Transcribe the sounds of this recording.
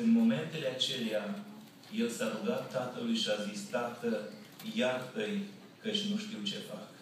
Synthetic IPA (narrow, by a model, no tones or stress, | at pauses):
ɨnmo̞me̞nt̪e̞le̞at͡ʃe̞lea | je̞lsaɾuɡat̪ːat̪əlujʃiazist̪at̪ə | jart̪əj | kət͡ʃʲnuʃt̪iwt͡ʃe̞fak